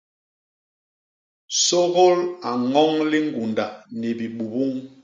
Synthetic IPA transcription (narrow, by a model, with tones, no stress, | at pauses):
so˦ɣo˦la˨ŋɔ˦ŋli˦ŋɡu˨nda˨nɛ˨bi˨ɓu˨bu˦ŋ